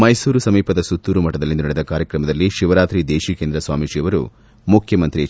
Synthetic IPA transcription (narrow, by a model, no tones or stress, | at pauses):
mɐjsuːɾusɐmiːpɐd̪ɐsut̪ːuːɾumɐʈɐd̪ɐlːind̪unɐɽɛd̪ɐkaːɾjɐkɾɐmɐd̪ɐlːiʃiʋɐɾaːt̪ɾid̪eːʃiːkeːnd̪ɾɐsʋaːmiʃiʋɐɾṵ | mukʰjɐmɐnt̪ɾi